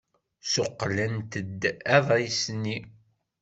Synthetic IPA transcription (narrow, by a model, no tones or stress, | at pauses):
sʊqːlænt̪əd̪ːæðˤisnːi